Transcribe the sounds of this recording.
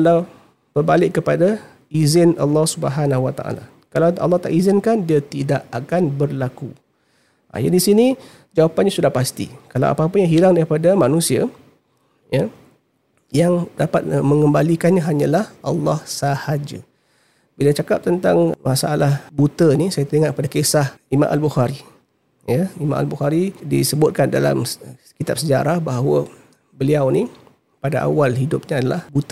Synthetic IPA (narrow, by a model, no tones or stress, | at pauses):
kalaw | b̥ərbalɪʔːəpada | izɪnɑ̰lːɑhsubəɦanaɦuwat̪a̰ʔa̰la̰ | kalawɑ̰lːɑht̪a̰ʔizɪnkandiat̪idaʔakanbərlaku | a̰ja̰disini | d͡ʒawapanɲasudahpast̪ḭkalawa̰pap̬əjaŋɦilaŋdaɾipadamanũsia̰ | ja | jaŋdapat̪̚mə̃ŋəmbalikanɲaɦaɲalahʔɑlːɑhsahad͡ʒa̰ | bilat͡ʃakap̚t̪ənt̪aŋmasaalahbut̪ənisajat̪ɾiŋaʔ̪kəpadakesahimã̰ʔalbuxaɾi | jaimã̰ʔa̰lbuxaɾidḭsəbʊt̪̚kanda̰la̰mkit̪ap̚səd͡ʒaɾahbaɦwə | bəliawni | padaʔa̰walɦidʊp̚ɲaadalahbut̪ə